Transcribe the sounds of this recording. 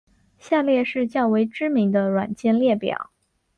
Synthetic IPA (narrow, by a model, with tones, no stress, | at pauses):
ɕja˥˧ljɛ˥˧ʂɻ̩˥˧t͡ɕjɑ˥˩ʊwe˧˥ɪʈ͡ʂɻ̩˥mi˧˥ŋd̪ə˧ɻwa˨˩nt͡ɕjɛ˥˧nljɛ˥˩pjɑ̰˨˩˦ʊ